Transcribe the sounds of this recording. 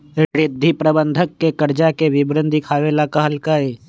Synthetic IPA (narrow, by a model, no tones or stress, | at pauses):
ɾɪd̪ʱːipɾəbə̃nd̪ʱəkːekəɾd͡ʒakeʋɪbɾə̃nd̪ʱikʰaːʋelaːkaɦəlkaeː